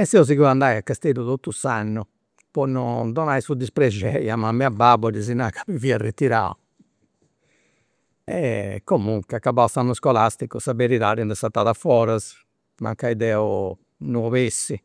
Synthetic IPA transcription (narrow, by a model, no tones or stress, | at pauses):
ɛsɛɔz̬iɣuand̪aːjakːast̪eluðot̪ːusanːu | pɔnːɔd̪ɔnaisud̪ispɾed͡ʒɛjamamɛababɔɾizinakapiviːaret̪ːiɾa̰ː | ɛkːomuŋkakːabaɔsanːuskɔlast̪ikusabeɾiðaːɾɛnd̪ɛsat̪ːaːðafɔːɾaz | ma̰ŋkaiðɛːɔ | nuβesːi